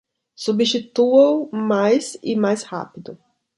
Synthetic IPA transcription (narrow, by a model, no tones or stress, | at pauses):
subiʃit̪uowmajzɪmajsha̰pid̪ʊ